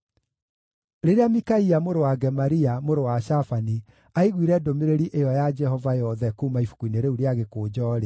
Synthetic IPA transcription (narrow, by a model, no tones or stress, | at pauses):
ɾeɾeamikaiamoɾowaɡɛmaɾiamoɾowaʃafani | aiɣwiɾɛdomeɾeɾiʔejɔjad͡ʒɛhɔvajɔðɛkuːmaifu̥kuineɾeuɾeaɣekoːd͡ʑɔːɾe